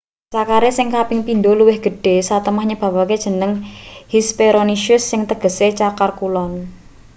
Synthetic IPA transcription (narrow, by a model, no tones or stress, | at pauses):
sakaɾesɪŋkapɪŋpind̪oluwɪhɡ̥ə̤ɖ̥e̤sat̪əmahɲəb̥ä̤waked̥ʒ̥ə̤nəŋhispeɾoniʃʊsːɪŋt̪əɡ̥ə̤set͡ʃakarkulɔn